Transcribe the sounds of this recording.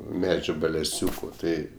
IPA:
ˈmʲæːd͡ʒʲʊ bʲɛlʲɛˈsʲuːkʊ ˈtɐɪ

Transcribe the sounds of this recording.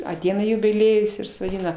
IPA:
ɐˈtʲɛɪnɐ jʊbʲɪˈlʲiɛjʊs ɪr sʊˈɛɪnɐ

